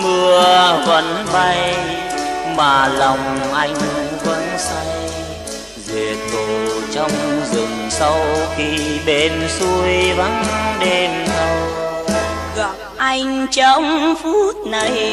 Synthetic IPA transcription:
mɨ˧əəvə̰˧˥nɓa˧j | maː˨˩lɔ˨˩wŋ͡mʔa˧jŋ̟və̰˧˥nsa˧j | ze˨˩ət̚ɓo˨˩t͡ɕɔ˧wŋ͡mzɨ˨˩ŋsa˧wxi˧ɓe˧˦nsu˧əjva̰˧˥nɗe˧nɗə˧w | ɣɔ˧˨˩p̚ʔa˧jŋ̟t͡ɕə˧˦ŋ͡mfu˦˥t̚na˨˩j

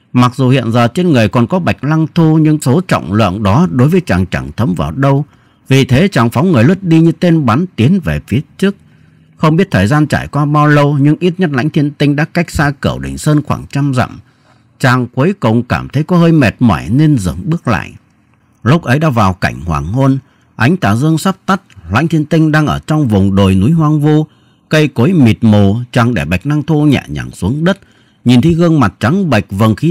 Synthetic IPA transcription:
ma˨˩k̚zu˨˩hḭ˧˨ənzəː˨˩t͡ɕe˧nŋɨ˨˩əjkɔ˨˩nkɔ˨˦ɓa˨˩jk̟̚la˧ŋt̪ʰu˧ɲɨ̰˧ŋso˨˦t͡ɕɔ̰˧˨wŋ͡mlɨ̰˧˨ənɗɔ˨˦ɗo˨˦jvəː˨˦jt͡ɕaː˨˩ŋt͡ɕa˧˩ŋt̪ʰə˨˦mva̰ː˨˩wɗə˧w | vi˨˩t̪ʰe˨˦t͡ɕaː˨˩ŋfa˨˦wŋɨ˨˩əjlɨ˦˥ət̚ɗi˧ɲɨ˧t̪e˧nɓa˨˦nt̪i˨˦ənve˨˩fi˨˦ət͡ɕɨ˦˥ək̚ | xə˧wŋ͡mɓi˦˥ət̚t̪ʰəː˨˩jzaː˧nt͡ɕaː˧˩jkwaː˧ɓaː˧wlə˧wɲɨ˧ŋʔi˦˥t̚ɲə˦˥t̚la̰˧˥jŋ̟t̪ʰi˧ənt̪ï˧ŋ̟ɗa̰ː˧˥ka˦˥jk̚saː˧kɨ˧˩wɗï˨˩ŋ̟səː˧nxwa̰ː˧˩ŋt͡ɕa˧mzə̰˧˨m | t͡ɕaː˨˩ŋkwə˨˦jkə˨˩wŋ͡mkaː˧˩mt̪ʰə˨˦jkɔ˨˦ɦəː˧jmɛ˨˩t̚ma̰˧˩jne˧nzə̰˧˩ŋɓɨ˦˥ək̚la̰ː˧˨jʔ | lʊ˦˥k͡p̚ʔə˨˦jɗa̰ː˧˥vaː˨˩wka˧˩jŋ̟hwa̰ː˨˩ŋho˧n | ʔa˨˦jŋ̟t̪aː˧˩zɨ˧əŋsa˦˥p̚t̪a˦˥t̚la̰˧˥ŋ̟t̪ʰi˧ənt̪ï˧ŋ̟ɗaː˧ŋʔəː˧˩t͡ɕɔ˧wŋ͡mvʊ˨˩ŋ͡mɗo˨˩jnu˨˦jɦwaː˧ŋvu˧ | kə˧jko˨˦jmi˨˩t̚mo˨˩t͡ɕaː˨˩ŋɗe˧˩ɓa˨˩jk̚na˧ŋt̪ʰu˧ɲa̰ː˧˩ɲa̰ː˧˩ŋsu˨˦əŋɗə˦˥t̚ | ɲi˨˩nt̪ʰi˨˦ɣə˧ŋma˨˩t̚t͡ɕa˨˦ŋɓə˨˩jk̚və˨˩nxi˨˦

